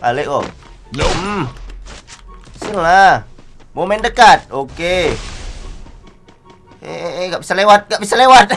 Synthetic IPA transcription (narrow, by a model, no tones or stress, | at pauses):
a̰leʔkɔ̰ | isilla | momɛndəkat̪̚oke | ḛʔɡaʔbisalewat̪̚ɡaʔbisalewat̪̚